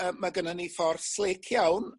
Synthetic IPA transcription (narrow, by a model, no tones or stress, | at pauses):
əmːaɡənanifɔrθlˠekʰjawn